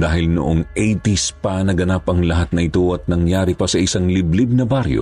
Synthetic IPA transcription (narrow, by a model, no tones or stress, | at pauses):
d̪aːhɪlnʊ̰ʔoŋʔejt̪ispɐnɐɡɐnapɐŋlɐɦat̪̚nɐʔɪt̪o̞ɐt̪̚nɐŋjaːɾipɐsɐʔɪsaŋlɪblib̚nɐbaɾjo̰